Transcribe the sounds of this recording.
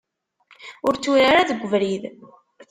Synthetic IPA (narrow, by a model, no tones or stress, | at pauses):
ʊɾt͡sːuɾaɾaðəɡʷːəvɾið